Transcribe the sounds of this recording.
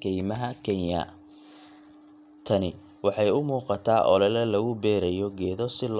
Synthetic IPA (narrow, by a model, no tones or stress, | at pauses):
kʰɛjmɐɦɐkʰɛnjɐ̰ | t̪ʰɐnɪ | wɑħɑjʊmuːqɑt̪ʰaːʔɔ̰lɛlɛlɐɣʊbɛːɾɛjɔɡɛːðɔsɪl